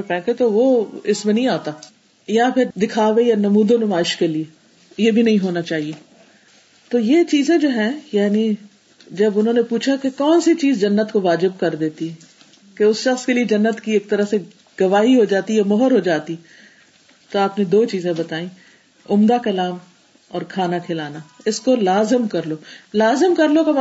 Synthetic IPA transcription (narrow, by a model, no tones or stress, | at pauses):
ẽpɛ̃ːkʰet̪oʋoɪsmẽnɐɦĩaːt̪aː | japʰɪɾd̪ɪkʰaːʋejanɐmuːd̪onʊmaːɪʃkelie | jebʱinɐɦĩɦoːnat͡ʃaːɦieː | t̪oːjet͡ʃiːzẽd͡ʒoːɦɛ̃jaːni | d͡ʒɐbʊnɦõːnepuːt͡ʃʰakekɔːnsit͡ʃiːzd͡ʒɐnːət̪koʋaːd͡ʒɪb̚kɐɾd̪eːt̪iɛ | keʊsʃɐxskelied͡ʒɐnːət̪kieːk̚t̪ɐɾəse | ɡ̥ɐʋaːɦiɦod͡ʒaːt̪ijamɔɦɔɾɦod͡ʒaːt̪i | t̪oaːpned̪oːt͡ʃiːzẽbɐt̪aːĩː | ʊmd̪akɐlaːm | ɔ̰ːɾkʰaːnakʰɪlaːnaɪskolaːzɪmkɐɾloːlaːzəmkɐɾlokam